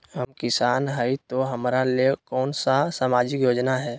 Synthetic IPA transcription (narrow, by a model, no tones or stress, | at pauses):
ɦəmkɪsaːnɦəit̪oɦɐmɾalekɔːnsasaːmaːd͡ʒɪkjoːd͡ʒnaɦɛː